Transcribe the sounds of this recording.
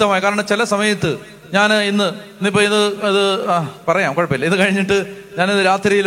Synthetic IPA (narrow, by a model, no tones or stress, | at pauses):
t̪ːɐmaːjkaːɾɐɳɐmt͡ɕilɐsɐmɐjɐt̪ːɨ | ɲaːninːɨnːipːoinːɨɐðɨpɐrɐjaːmkoɻɐpːilːɐiðɨkɐɻiɲːiʈːɨɲaːniðɨɾaːt̪rijil